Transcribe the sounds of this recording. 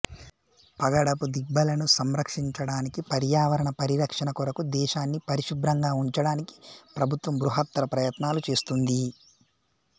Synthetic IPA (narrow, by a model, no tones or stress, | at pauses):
pɐɡɐɽɐpud̪ibːɐlɐnusɐmɾɐkʂiɲt͡ʃɐɽaːnikipɐɾjaːʋɐɾɐɳɐpɐɾiɾɐkʂɐnɐkuɾɐkud̪ɛːʃaːnːipɐɾiʃub̪ɾɐŋɡaːuɲt͡ʃɐɽaːniki̥pɾɐbʱut̪ʋɐmbɾuɦɐt̪ːɐɾɐpɾɐjɐt̪naːlut͡ʃe̞ːst̪und̪i